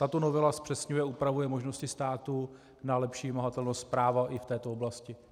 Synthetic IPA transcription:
t̪at̪o̞no̞vɛlaspr̥ɛsɲujɛupɾavujɛmo̞ʒno̞scɪst̪aːt̪u | nalɛpʃiːvɪmaɦat̪ɛlnostspɾaːvaʔɪft̪ɛːt̪ooblascɪ

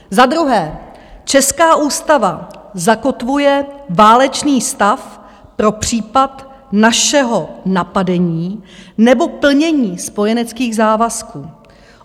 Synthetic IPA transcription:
zad̪ɾuɦɛː | t͡ʃɛskaːʔuːst̪avazakot̪vujɛvaːlɛt͡ʃniːst̪af | pɾo̞pr̝̥iːpat̪ | naʃɛɦonapadɛɲiːnɛbo̞pl̩ɲɛɲiːspo̞jɛnɛt͡skiːɣzaːvaskuː

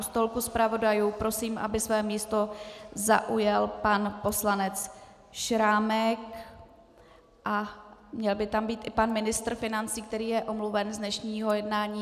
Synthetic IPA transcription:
st̪olkuspɾavo̞dajuːpɾo̞siːmʔa̰bɪsvɛːmiːst̪o̞za̰ʔujɛlpanpo̞slanɛt͡s | ʃɾaːmɛk | ʔamɲɛlbɪt̪ambiːt̪ʔɪpanmɪnɪst̪ɾ̩fɪnant͡siːk̚t̪ɛɾiːjɛʔo̞mluvɛnzdnɛʃɲiːɦo̞jɛdnaːɲiː

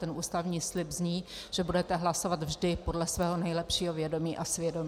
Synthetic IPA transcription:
t̪ɛnʔuːst̪avɲiːslɪbzɲiːʒ̥ɛbudɛt̪ɛɦlaso̞vat̪vʒdɪpo̞dlɛsvɛːɦo̞nɛjlɛpʃiːɦo̞vjɛdo̞miːʔasvjɛdo̞m

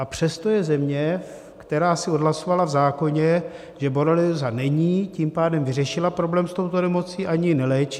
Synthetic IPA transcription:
ʔapr̝̥ɛst̪ojɛzɛmɲɛ | kt̪ɛɾaːsɪo̞dɦlasovalavzaːko̞ɲɛ | ʒɛboɾalɪzanɛɲiːcimpaːdɛmvɪrɛʃɪlapɾo̞blɛːmst̪o̞wt̪o̞nɛmo̞t͡siːʔaɲɪnɛlɛːt͡ʃi̥

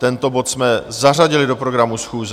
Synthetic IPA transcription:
t̪ɛnt̪o̞bo̞t̪smɛzar̝aɟɪlɪdo̞pɾo̞ɡɾamusxuːz

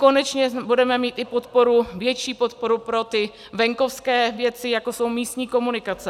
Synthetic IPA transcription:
ko̞nɛt͡ʃɲɛbudɛmɛmiːt̪ɪpo̞t̪po̞ɾuvjɛt͡ʃiːpo̞t̪̚po̞ɾupɾo̞t̪ɪ | vɛŋko̞fskɛːvjɛt͡sɪjako̞so̞wmiːst̪ɲiːko̞munɪkat͡sɛ

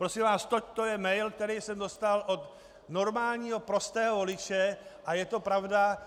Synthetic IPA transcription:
pɾosɪmvaːst̪oc̚t̪ojɛmɛjlk̚t̪ɛɾijsɛmdo̞st̪alʔot̪ | no̞ɾmaːlɲiːɦo̞pɾo̞st̪ɛːɦovo̞lɪt͡ʃɛʔajɛt̪o̞pɾavda

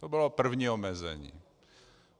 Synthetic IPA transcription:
t̪obɪlopr̩vɲiːɔmɛzɛ̰ɲḭː

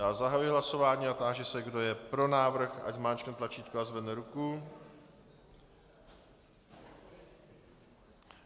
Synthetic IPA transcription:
aːzaɦajuɪɦlaso̞vaːɲiːat̪aːʒɛsɛɡdo̞jɛpɾo̞naːvr̩xa̰ɟzmaːnt͡ʃkɛnt̪lat͡ʃiːt̪koazvɛdnɛɾuku

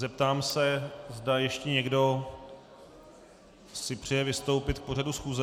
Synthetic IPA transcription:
zɛp̚t̪aːmsɛzdajɛʃcɛɲɛɡdo̞ | sɪpr̝̥ɛjɛvɪst̪o̞wpɪt̪k̚po̞r̝adusxuːzɛ

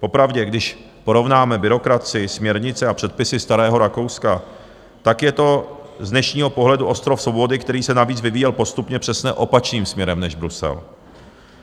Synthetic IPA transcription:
po̞pɾavɟɛɡdɪʃ | po̞ɾo̞vnaːmɛbɪɾo̞kɾat͡sɪɪsmɲɛɾɲɪt͡sɛapr̥ɛt̪̚pɪsɪst̪aɾɛːɦo̞ɾako̞wska | t̪akjɛt̪o̞zdnɛʃɲiːɦo̞po̞ɦlɛduʔo̞st̪ɾofsvowbo̞dɪkt̪ɛɾiːsɛnaviːt͡svɪviːjɛlpo̞st̪upɲɛpr̝̥ɛsɲɛʔo̞pat͡ʃniːmsmɲɛɾɛmnɛʒbɾusɛ̰l

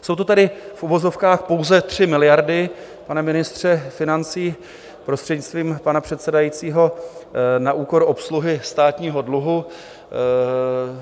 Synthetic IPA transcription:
sowt̪ot̪adɪfʔuvo̞zo̞fkaːxpo̞wzɛt̪r̝̥ɪmɪlɪjaɾdɪ | panɛmɪnɪst̪r̝̥ɛfɪnant͡siː | pɾo̞st̪r̝̥ɛdɲɪt͡st̪viːmpanapr̥ɛt̪sɛdajiːt͡siːɦo̞ | naʔuːko̞ɾo̞psluɦɪst̪aːt̪ɲiːɦo̞dluɦu

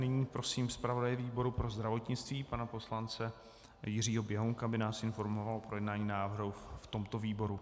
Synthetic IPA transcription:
nɪɲiːpɾo̞siːmspɾavo̞dajɪviːbo̞ɾupɾo̞zd̪ɾavo̞t̪ɲɪt͡st̪viːpanapo̞slant͡sɛ | jɪr̝iːɦo̞bjɛɦoŋkabɪnaːsɪnfo̞ɾmo̞valopɾo̞jɛdnaːɲiːnaːvrɦuft̪o̞mt̪o̞viːbo̞ɾu

